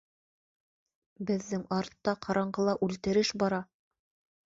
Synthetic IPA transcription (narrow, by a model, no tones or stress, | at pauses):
bɘ̆ðːɘŋɑɾt̪ːɑqʰɑɾɑɴɢɤlˠɑʔʉlt̪ɘ̆ɾɘʃbɑɾɑ